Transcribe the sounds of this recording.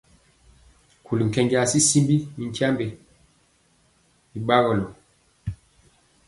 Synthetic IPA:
kʰu˨lŋ̩˨kɛ˨ŋɡi˦a˨si˦si˦mbi˦i˨n̩˦tja˦mbe˨ | i˨ɓa˦ɣɔ˨lɔ˨

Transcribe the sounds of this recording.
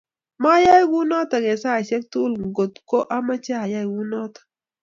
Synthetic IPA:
ma˦ja˦i˦ɡu˦nɔ˦ta˨ɡɛ˨sa˦˨se˦k̚tu˦˨lɡo˨t̪ko˦ʔa˦ma˦t͡ʃa˦a˨ja˦i˨wu˦nɔ˦tḁ˨

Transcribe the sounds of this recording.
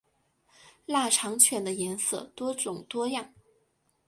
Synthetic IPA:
la˥˩ʈ͡ʂʰɑ˧˥ŋt͡ɕʰɥɛ˧˥nd̪ə˧jɛ˧˥nsɤ̰˥˩t̪wɔ˥t͡sʊ˨˩ŋt̪wɔ˥jɑ˥˩ŋ

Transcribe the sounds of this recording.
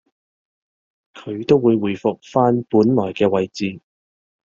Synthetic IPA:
kʰɵ˨˧ɥt̪o˥wːuː˨˧jwuː˨jfʊ˨k̚faː˥npuː˨˥nlɔː˨˩jkɛː˧wɐ˨˧jt͡siː˨˧

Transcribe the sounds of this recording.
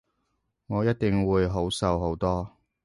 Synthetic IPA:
ŋɔː˨˧jɐ˥t̚t̪ɪ˨ŋwuː˨˧jɦo˨˥wsɐ˨˧wɦo˨˥wt̪ɔː˥

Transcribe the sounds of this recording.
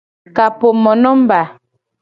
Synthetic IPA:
ka˨po˨mɔ˨nɔ˦m˦ba˨

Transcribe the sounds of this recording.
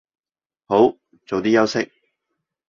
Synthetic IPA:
ho˨˥w | t͡so˨wt̪iː˥jɐ˥wsɪ˥k̚

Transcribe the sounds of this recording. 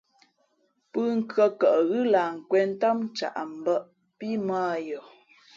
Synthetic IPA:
pɨ˦ŋ̩˦kɰə˨kə˨ʔɣɨ˦la˨ŋ̩˨kwɛ˨n̩˦ta˦m˦t͡ʃa̰˨ʔm̩˨bə˦ʔ | pi˦maː˦jɔ˨

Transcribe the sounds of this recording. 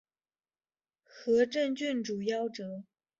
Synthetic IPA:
xɤ˧˥ʈ͡ʂə˥˧nt͡ɕy˥˩nʈ͡ʂu˨˩jɑ˥˩ʊʈ͡ʂɤ˨˩˦

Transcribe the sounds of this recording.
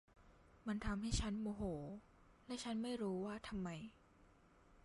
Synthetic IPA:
ma˧nt̪ʰa˧mha˥˩jt͡ɕʰa˦˥nmoː˧ɦoː˩˦ | lɛ˦˥ʔt͡ɕʰa˦˥nma˥˩jɾuː˦˥waː˥˩t̪ʰa˧mːa˧j

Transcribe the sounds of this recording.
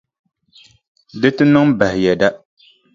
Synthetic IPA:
dɨ˦tɨ˦nɨ˦ŋba˨hɪ˨jɛ˨da˦

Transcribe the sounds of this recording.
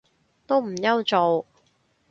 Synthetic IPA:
t̪o˥wm̩˨˩jɐ˥wt͡so˨˧w

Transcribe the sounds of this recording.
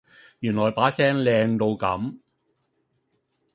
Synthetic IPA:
jyː˨˩nlɔː˨˩jpaː˨˥sɛː˥ŋlɛː˧ŋt̪o˧wkɐ̰˨˥m

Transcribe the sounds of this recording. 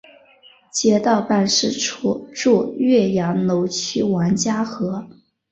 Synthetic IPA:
t͡ɕjɛ˧˥t̪ɑ˥˧ʊpa˥˧nʂɻ̩˥˩ʈ͡ʂʰu˥ʈ͡ʂu˥˧ɥɛ˥˩jɑ˧˥ŋno˧˥ʊt͡ɕʰy˥wɑ˧˥nt͡ɕja˥xɤ˧˥

